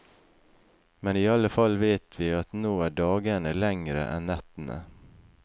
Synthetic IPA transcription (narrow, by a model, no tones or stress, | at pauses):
mɛnɪɑlːəfɑlːveːt̪ʰʋɪɑt̪noːæɖɑːɡəɳəlɛŋɾə̰ʔɛ̰nːɛt̪ːənə̰